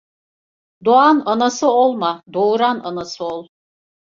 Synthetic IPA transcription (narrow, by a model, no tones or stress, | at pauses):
d̪oananasɯolˠmad̪oɾana̰nasɯolˠ